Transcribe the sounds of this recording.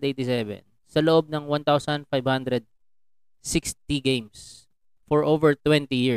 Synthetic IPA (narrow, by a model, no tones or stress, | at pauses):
d̪ejt̪ɪsɛvɛ̰n | sɐloʔob̚nɐŋwãnt̪awsɐnd̪̚fajbhãnd̪ɾɛd̪̚ | sɪkst̪iɡẽjms | fɔɹʔovɛɹt̪wɛ̃nt̪ijɪ